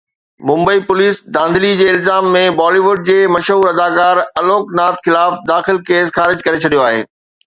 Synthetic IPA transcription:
mʊ̃mbəipʊliːsd̪ãːn̆d̪ʱɪlid͡ʑeːɪlzaːmːẽbɔːliʋʊɖ̚d͡ʑeːmɐʃɦuːɾɐd̪aːkaːɾɐloːknaːt̪xɪlaːfd̪aːxɪlkeːsxaːɾɪd͡ʑkɐɾet͡ɕʰɐɗijoaːɦḛː

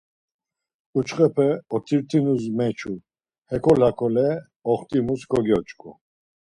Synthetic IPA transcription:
ut͡ʃχʼɛpʰɛɔt̪ʰiɾt̪ʰinuzmɛt͡ʃʰu | hɛkʰɔlakʰɔlɛ | ɔχt̪ʼimuskʰɔɡjɔt͡ʃʼkʼu

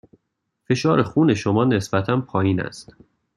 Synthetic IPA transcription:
fe̞ʃɒːɾexuːne̞ʃomɒːne̞sbæt̪ʰænpʰɒːjiːnæ̰st̪

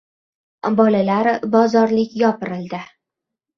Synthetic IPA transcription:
bɒlalaɾbɒzɒɾlɪkʲjɒpɪɾɪld̪ɪ

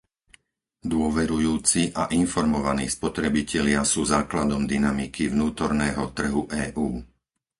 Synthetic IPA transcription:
d̪ʊɔʋɛɾujuːt͡siʔaʔinfɔɾmɔʋanḭːspɔt̪ɾɛbicɛlɪasuːzaːklad̪ɔmd̪inamikʰiʋnuːt̪ɔɾnɛːɦɔt̪r̩ɦuʔɛːʔuː

